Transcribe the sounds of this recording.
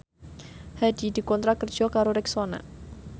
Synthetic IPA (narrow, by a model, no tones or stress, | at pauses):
hadi̤di̤kɔnt̪ɾakərd͡ʒ̥ɔkaɾoɾɛksona̰